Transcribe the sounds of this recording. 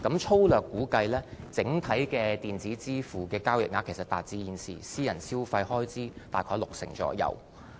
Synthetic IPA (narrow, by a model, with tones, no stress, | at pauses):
kɐ˨˥mt͡ʃʰo˥wlœː˨˩kːuː˨˥kɐ˧jlɛː˥t͡sɪ˨˥ŋt̪ʰɐ˨˥jkɛː˧t̪iː˨˩nt͡siː˨˥t͡siː˥fuː˨kɛː˧kaː˥wjɪ˨k̚ŋaː˨˧kʰːe˨˩sɐ˨˩t̪aː˨t̚t͡siː˧jiː˨˧nsḭː˨˩siː˥jɐ˨˩nsiː˥wfɐ˧jhɔː˥jt͡siː˥t̪aː˨˩jkʰɔː˧˩jlʊ˨k̚sɪ̰˨˩ŋt͡sɔ̰ː˨˧jɐ̰˨˩w